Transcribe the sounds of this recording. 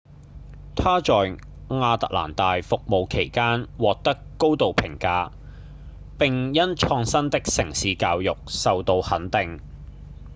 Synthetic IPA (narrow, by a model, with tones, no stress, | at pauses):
t̪ʰaː˥t͡ʃɔː˨j | ŋaː˧t̪ɐ̰˨˩k̚la̰ː˨˩nt̪aː˨jfʊ˨k̚mo˨wkʰe˨˩jkaː˥nwɔː˨k̚t̪ɐ˥kːo˥wt̪o˨wpʰɪ˨˩ŋkaː˧ | pɪ˨ŋjɐ˥nt͡ʃʰɔː˧ŋsɐ˥nt̪ɪ˥k̚sɪ˨˩ŋsiː˨˧kaː˧wjʊ˨k̚sɐ˨wt̪o˧whɐ˨˥nt̪ɪ˨ŋ